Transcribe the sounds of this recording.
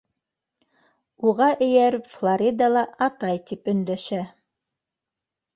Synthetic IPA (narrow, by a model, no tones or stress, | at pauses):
uʁɑʔɘ̆jæɾɘflˠoɾʲid̪ɑlˠɑɑt̪ɑjt̪ipɵ̆nd̪æʃæ